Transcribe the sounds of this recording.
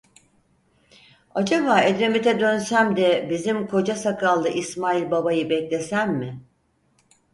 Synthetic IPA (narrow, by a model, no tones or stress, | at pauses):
ad͡ʒabaːed̪ɾe̞mit̪ʰɛd̪ø̞nsæmd̪ɛbizimkʰo̞d͡ʒasakʰalˠd̪ɯʔismaːilʲbabajɯbɛclʲe̞sænmɪ